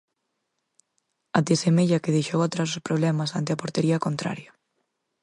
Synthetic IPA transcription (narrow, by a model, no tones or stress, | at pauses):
at̪esemeʎɐkeðejʃowat̪ɾas̬ospɾoβ̞lɛmɐsant̪ɪapoɾt̪eɾiakont̪ɾa̰ɾja